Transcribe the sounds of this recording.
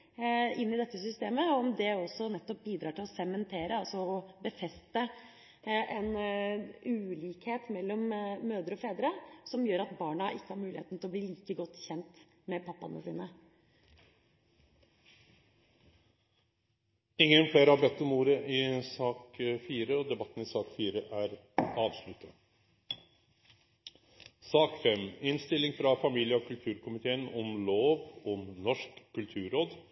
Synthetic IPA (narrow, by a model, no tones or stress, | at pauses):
ɪnːɪd̪ɛt̪ːəsʏst̪eːməɔmd̪ɛɔsːɔnɛt̪ːɔp̚biːd̪ɾɑːʈɪlɔsɛmɛnt̪ʰeːɾəɑlsɔɔbəfɛst̪ə | ʔɛn | ʉːliːkheːt̪mɛlːɔmːøːd̪əɾɔfeːd̪ɾəsɔmjøːɾɑt̪bɑːɳɑʔɪkːəhɑɾmʉːlɪhḛːt̪n̩t̪ɪlɔbliːliːkəɡɔt̪ːçɛnt̪ | mɛpʰɑpːɑ̰nə̰sḭːnə | ɪŋːənfleːɾhɑɾbɛt̪ːɔmuːɾəʔɪsɑːkfiːɾəɔd̪ɛbɑt̪ːn̩ɪsɑːkfiːɾəʔæɾ | ɑːʋslʉt̪ʰːə | sɑːkfɛmɪnst̪ɪlːɪŋfɾɑfɑmiːlɪjəɔkʰʉlt̪ʰʉːɾkʊmɪt̪ʰeːənɔmloːʋɔnɔʂkʰːʉlt̪ʰʉːɾoːd̪